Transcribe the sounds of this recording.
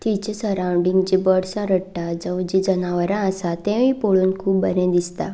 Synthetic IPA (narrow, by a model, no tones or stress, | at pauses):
t̪it͡ɕisəɾawɳɖiŋɡd͡ʑibəɽsãɾəʈːad͡zəwd͡ʑid͡zənaʋəɾãəsat̪ẽʋĩpoɭuːnkʰuːp̚bəɾẽd̪ist̪a̰